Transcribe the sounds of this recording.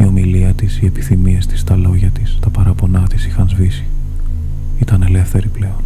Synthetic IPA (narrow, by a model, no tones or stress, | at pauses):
io̞miliɐt̪isie̞pi̥θimie̞st̪i̥st̪ɐlo̞ʝɐt̪ist̪ɐpɐɾɐpo̞nɐt̪isixɐnzvisi̥ | it̪ɐne̞le̞fθe̞ɾiple̞o̞n